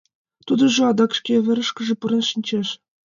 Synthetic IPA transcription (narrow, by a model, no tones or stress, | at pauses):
t̪ud̪ɤ̆ʒuɑd̪ɑkʃkʲevʲɘ̆ɾɘ̆ʃkʲɘ̆ʐɘ̆puɾɤ̆nʃinʲt͡ɕeʃ